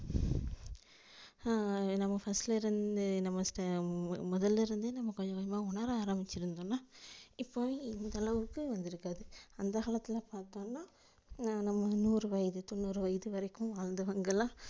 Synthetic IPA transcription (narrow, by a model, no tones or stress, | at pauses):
nɐmːɐfɐsʈlɐɪɾɯnd̪ɯnɐmːɐsʈɐmɔðɐlːɪɾɯnd̪ɯnɐmːɐkɔɲd͡ʒɐ̃kɐmaːʊɳɐɾaːɾɐmbɪt͡ʃːɪɾɯnd̪oːnːaːɪpːoːʋẽɪnd̪ɐlɐʋɯkːɯʋɐnd̪ɪɾɯkːaːðɯɐnd̪ɐkaːɭɐt̪ːɪlɐpaːɾt̪õːnːaː | nɐmːɐnuːɾɯʋɐjðɯt̪ɔnːuːɾɯʋɐjðɯʋɐɾɐɪkːɯ̃ʋaːɻnd̪ɐʋɐŋɡɐlãː